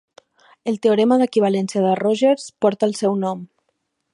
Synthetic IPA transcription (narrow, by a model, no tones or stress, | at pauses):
əlˠt̪eoɾɛməðəkiβ̞alɛnsiəðəroʒeɾspɔɾt̪əːlˠsɛwnɔm